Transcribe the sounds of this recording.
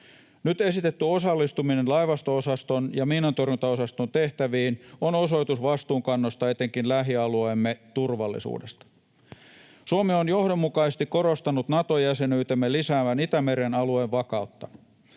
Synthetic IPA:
nyt̪e̞sit̪et̪ːyo̞sɑlːist̪uminenlɑjʋɑst̪oosɑst̪o̞njɑmiːnɑnt̪orjunt̪ɑo̞sɑst̪ont̪e̞ht̪æʋiːnono̞so̞jt̪usʋɑst̪uːŋkɑnːost̪ɑet̪eŋkinlæɦiɑluemːet̪urʋɑlːḭsṵːdest̪ɑ̥ | suomeonjo̞hdo̞mːukɑisest̪ikːo̞ɾost̪ɑnut̪nɑt̪o̞jæse̞nyːt̪emːelisæːʋænit̪æme̞ɾenɑlueʋʋɑkɑut̪ːɑ

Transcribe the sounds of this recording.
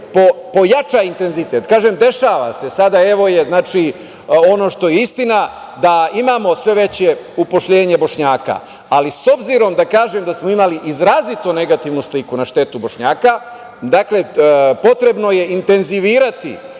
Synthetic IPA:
popo̞jat͡ʃajint̪e̞nzit̪e̞t̪kaːʒemd̪e̞ʃaːʋa̰se̞sad̪ae̞ʋo̞je̞znaːt͡ʃi | o̞no̞ʃt̪o̞jeist̪ina | d̪aimaːmo̞sʋe̞ʋe̞t͡ɕe̞upo̞ʃʎe̞ːɲe̞bo̞ʃɲaːka̰ː | liso̞bziɾo̞md̪akaːʒemd̪asmo̞imaliʔizɾaːzit̪one̞ɡat̪iʋnuslikunaʃt̪e̞t̪ubo̞ʃɲaːka | d̪akle̞po̞t̪ɾe̞bno̞je̞int̪e̞nziʋiːɾat̪ḭ

